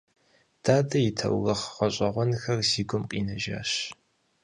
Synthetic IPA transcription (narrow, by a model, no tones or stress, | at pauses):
d̥aːdɐjitʰɐ̰wɣɐχʁɐɕʼɐʁʷɔnxɐrziːɡʷʊmqʼḭːnɐʒa̰ːɕ